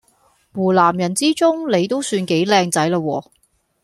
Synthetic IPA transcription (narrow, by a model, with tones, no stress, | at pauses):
muː˨˩laː˨˩mjɐ˨˩nt͡siː˥t͡sʊ˥ŋle˨˧jt̪o˥wsyː˧nke˨˥jlɛː˧ŋt͡sɐ˨˥jlaː˧wɔː˧